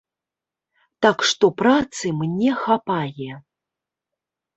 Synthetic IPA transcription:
t̪akʂt̪ɔpɾat̪sɨmnʲɛxapajɛ

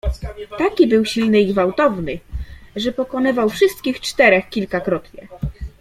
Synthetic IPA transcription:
t̪akʲibɘwɕilnɘiɡvawt̪ɔvnɘʐɛpɔkɔnɘvawfʂɘst̪̚kʲixt͡ʂt̪ɛɾɛxkʲilkakɾɔt̪ɲɛ̰

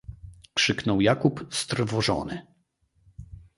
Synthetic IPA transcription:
kʂɘknɔwjakupst̪rvɔʐɔ̰nɘ

